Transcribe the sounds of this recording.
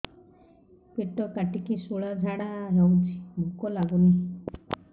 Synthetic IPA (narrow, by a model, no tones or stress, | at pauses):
peʈɔkaʈikisuɭad͡ʒʱaɽ̃aɾɔwt͡ʃʰi̥bʱukɔlaɡuni